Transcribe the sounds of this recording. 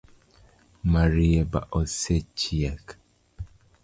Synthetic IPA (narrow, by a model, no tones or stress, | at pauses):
maɾieba̰ʔoset͡ʃiak